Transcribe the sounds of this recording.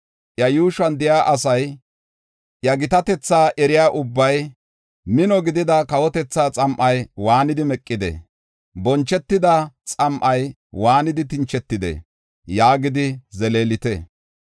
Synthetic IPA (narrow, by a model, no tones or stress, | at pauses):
ʔjɐjuːʃɐnd̪ɪjaːʔɐsɐj | jɐɡɪt̪ɐt̪ɛt͡sːaːʔɛɾɪjaːʔʊbːɐj | mɪnɔɡɪd̪ɪd̪ɐkɐwɔt̪ɛt͡sːaːt͡sʼɐmʔɐjwaːnɪd̪ɪmɛkʼːɪd̪ɛ̰ | bɔnt͡ʃːɛt̪ːɪd̪ɐt͡sʼɐmʔɐj | waːnɪd̪ɪt̪ɪnt͡ʃːɛt̪ːɪd̪ḛ | jaːɡɪd̪ɪzɛleːlɪt̪ɛ